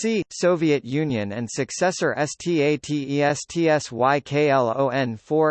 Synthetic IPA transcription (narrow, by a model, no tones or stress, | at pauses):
sisoʊviɨt̚jʉ̃njɨ̃nɨ̃nsɨksɛsə˞ʔɛstʰieɪtʰiiɛstʰiɛswaɪkʰeɪɛlˠo̰ʊɛ̃nfɔɹ